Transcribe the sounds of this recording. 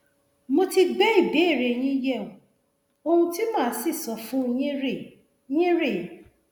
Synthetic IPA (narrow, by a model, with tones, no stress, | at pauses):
mo˦ti˧ɡ͡bɛ˦i˦˨be˨˦˨ɾe˨ɲ̃ĩ˦jɛ˦˨u˨ | o˦hũ˦ti˦mã˦˨˦si˦˨sɔ˨fũ˦ɲĩ˦ɾe˦˨ | ɲĩ˦ɾe˦˨